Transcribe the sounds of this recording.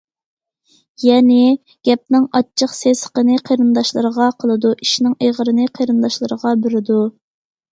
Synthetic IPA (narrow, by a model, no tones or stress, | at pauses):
jɛnɪ | ɡ̥ʲɛp̚nɪŋɑt͡ʃʰːəqsesə̥qənɨqʰejɾɨnd̪ɑʃlˠɨɾəʁɑqʰəlˠɨd̪uʔiʃnɪŋejʁəɾɨnɨqʰəɾɨnd̪ɑʃlˠɨɾəʁɑbyɾɪd̪u